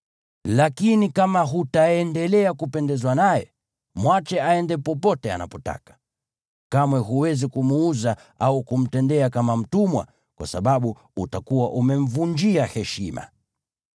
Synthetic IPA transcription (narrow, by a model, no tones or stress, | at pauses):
lakinikamaɦutaɛndɛlɛakupɛndɛzwanajɛ̰ | mwat͡ʃɛaɛndɛpɔpɔtɛa̰na̰pɔta̰kḁ | kamwɛɦuwɛzikumuuza | aukum̩tɛndɛakamam̩tumwa̰ | kwa̰saɓaɓu | utakuwaʔumɛɱ̩vund͡ʒiahɛʃima̰